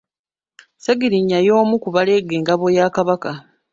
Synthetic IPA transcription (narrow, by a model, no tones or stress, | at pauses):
seɡiɾiɲːajo̞ːmukuβale̞ɡeːŋɡaβojaːkaβaka